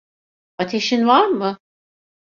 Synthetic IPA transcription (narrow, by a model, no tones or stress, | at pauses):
at̪ʰe̞ʃinvaɾmɯ